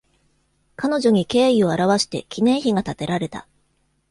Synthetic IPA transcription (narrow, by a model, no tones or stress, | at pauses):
kano̞ʑo̞ɲ̟ike̞ːio̞aɾaβaɕi̥t̪e̞kʲʰinẽ̞ɰ̃çiɡat̪at̪e̞ɾaɾe̞t̪a̰